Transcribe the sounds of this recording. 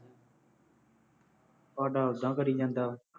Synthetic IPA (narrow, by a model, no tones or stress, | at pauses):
paːɖaːd̪ãːkəɾiːd͡ʒãːnd̪aː